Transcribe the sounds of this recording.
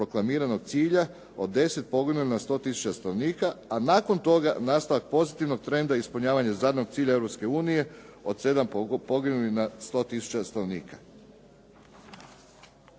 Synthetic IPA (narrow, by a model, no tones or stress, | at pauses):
pɾoklˠamiːɾano̞ɡt̪siːʎa | od̪ːe̞se̞t̪̚po̞ɡinulinast̪o̞ːt̪isu̥t͡ɕast̪anoniːkaanaːko̞nt̪o̞ɡa̰naːst̪aʋak̚po̞zit̪iʋno̞ɡ̚t̪ɾe̞nd̪aispuʎɲaːʋaɲazaːd̪no̞ɡt̪siːʎaevɾopske̞uːnije̞o̞d̪se̞d̪ampo̞ɡinulinast̪o̞ːt̪isu̥t͡ɕast̪anoʋnḭːkḁ